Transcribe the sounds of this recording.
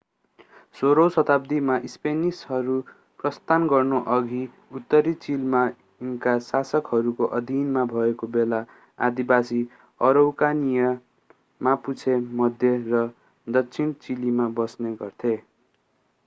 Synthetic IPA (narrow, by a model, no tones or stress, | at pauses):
soɾowsʌt̪ab̚d̪imaʔispenisɦʌɾu | prʌst̪ʰanɡʌrnoʔʌɡʱi | ut̪ːʌɾit͡silma | unkasasʌkɦʌɾukoʔʌd̪ʱinmabʱʌekobela | a̰d̪ibasi | ʌɾowkanijʌ | maput͡sʰemʌd̪ʱjerʌ | d̪ʌkt͡sʰint͡silimabʌsneɡʌrt̪ʰe